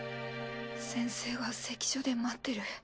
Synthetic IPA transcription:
sẽ̞ɰ̃se̞ːɡase̞kʲi̥ɕod̪e̞mat̪ːe̞ɾɯ̟

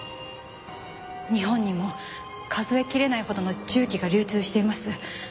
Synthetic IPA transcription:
ɲ̟iɦõ̞ɲ̟ːimo̞ | kʰazɨe̞kʲiɾe̞naiho̞d̪o̞no̞t͡ɕɨːkʲiɡaɾʲɨːt͡sɨːɕi̥t̪e̞imasɨ

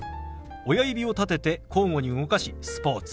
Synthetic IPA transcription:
o̞jaibʲio̞t̪at̪e̞t̪e̞kʰo̞ːŋɡo̞ɲ̟iɯ̟ŋo̞kaɕisɨ̥po̞ːt͡sɨ̥

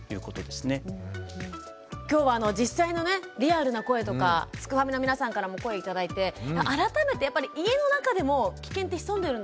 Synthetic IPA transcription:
jɯ̟ːko̞t̪o̞d̪e̞sɨne̞ | kʲo̞ːβaːno̞d͡ʑisːaino̞ne̞ɾʲiaɾɯ̟nako̞e̞t̪o̞kasɨ̥kɯ̟hamʲino̞mʲinasãŋkaɾamo̞ko̞e̞it̪ad̪ait̪e̞aʔaɾat̪ame̞t̪e̞japːaɾʲiʔie̞no̞nakad̪e̞mo̞kʲi̥kẽ̞nt̪ːeçi̥sõ̞nd̪eɾɯ̟̃n

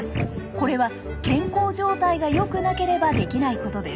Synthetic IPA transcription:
s | ko̞ɾe̞β̞a | kẽ̞ŋko̞ːʑo̞ːt̪aiɡajo̞kɯ̟nake̞ɾe̞bad̪e̞kʲinaiko̞t̪o̞d̪e̞s

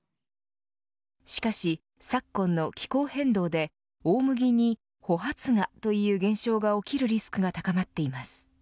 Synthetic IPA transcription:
ɕi̥kaɕi | sakːõ̞nːo̞kʲi̥ko̞ːhẽ̞nd̪o̞ːd̪e̞ | oːmɯ̟ɡʲiɲ̟i | ho̞ɦat͡sɨŋat̪o̞jɯ̟ːɡẽ̞ɰ̃ɕo̞ːɡao̞kʲiɾɯ̟ɾʲisɨ̥kɯ̟ɡat̪akamat̪ːe̞imasɨ̥

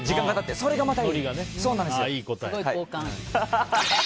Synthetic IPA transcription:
d͡ʑikãŋɡat̪at̪ːeso̞ɾe̞ɡamat̪aoɾʲiɡaneso̞ːnãnd̪ssɨjiːkot̪ooiaioːkã

